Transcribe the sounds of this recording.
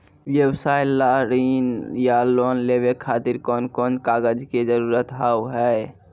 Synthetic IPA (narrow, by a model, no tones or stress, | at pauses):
wjəwsaːjlaɾiːnjaloːnlebekʰaːt̪ɪɾkɔːnkɔːnkaːɡəd͡ʒked͡ʒəɾuɾət̪ɦaːwɦɛ